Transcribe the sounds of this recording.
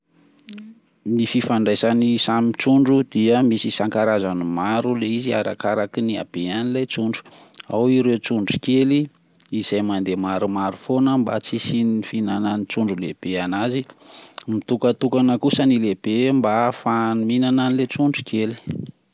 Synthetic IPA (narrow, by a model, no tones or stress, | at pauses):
nififaɳɖ͡ʐajsanisamit͡ʃuɳɖ͡ʐud̪̥iəmisisaŋkaɾazanimaɾuleizia̰ɾa̰kaɾakinia̰b̥eanilet͡suɳɖ͡ʐu̥awiɾewt͡suɳɖ͡ʐukeli | iz̥ajmand̪emaɾumaɾufonəmba̰t͡sisiniifinananit͡suɳɖ͡ʐuleb̥eanazimit̪ukət̪ukanəkusənileb̥embafanuminananilet͡suɳɖ͡ʐu̥kʰeli̥